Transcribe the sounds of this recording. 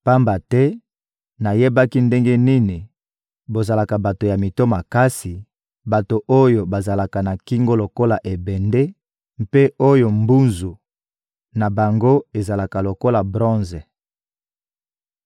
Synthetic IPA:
pa˦mba˨tɛ˦ | na˨je˦ba˦ki˦nde˦ŋɡe˦ni˦ni˨ | bo˨za˨la˨ka˨ba˨to˨ja˨mi˨to˦ma˨ka˦si˨ | ba˨to˨ʔo˦jo˨ba˨za˨la˨ka˨na˨ki˦ŋɡo˦lo˨ko˦la˨ʔe˨bɛ˨nde˦ | m˦pe˦o˦jo˨mbu˦nzu˨ | na˨ba˨ŋɡo˦e˨za˨la˨ka˨lo˨ko˦la˨bʁɔ̃˦nzɛ˨

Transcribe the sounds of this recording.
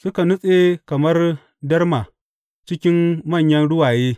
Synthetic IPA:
su˦ka˨nu˦sʼe˦ka˨mɐ˦ɾ | dɐ˦ɾma˨ | t͡ʃi˦kʲi˦nmɐ˦˨ɲjɐ˦nɽʊ˦wa˨jeː˦

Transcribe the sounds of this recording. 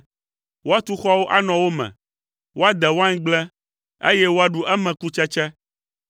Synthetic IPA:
wo˦a˦t̪u˦xɔ˦wo˦ʔa˦nɔ̃˨wo˦mɛ̰̃˨ | wo˦a˦d̪ɛ˨wo˦a˦ɲ˦ɡ͡blɛ˦ | ḛ˦jɛ˦wo˦a˦ɖu˦ʔɛ˦mɛ̃˨ku˦t͡ʃɛ˦t͡ʃɛ˦

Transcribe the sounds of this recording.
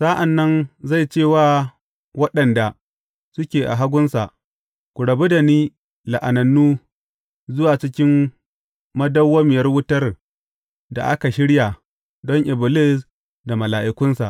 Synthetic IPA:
sa˦ʔa˨nːɐ˦nza˦˨jt͡ʃeː˦˨waː˦ | wɐ˦ɗɐ˨nda˨ | sʊ˦kʲeː˨ʔa˨ɦa˦ɡʷʊ˦nsa˨ʔ | kʷʊ˨ɽɐ˨be˦da˨niː˦ | la˨ʔa˨nɐ˨nːuː˦ | zʊ˦waː˨t͡ʃɪ˦kʲɪ˦m | mɐ˦dɐ˦wːɐ˦mɪ˨jɐ˦rwʊ˦tɐ˦r | da̰˨ʔa̰˦ka˨ʃɪ˦ɽja˨ | dɔ˦ŋʔɪ˨bʊ˨lɪ˦s | da˨mɐ˨laː˨ʔɪ˨kʷʊ˦nsa˨ʔ

